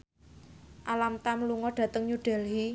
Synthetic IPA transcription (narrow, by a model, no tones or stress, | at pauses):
ʔalamt̪amluŋɔɖ̥ä̤t̪əŋɲuɖ̥ɛ̤lɦi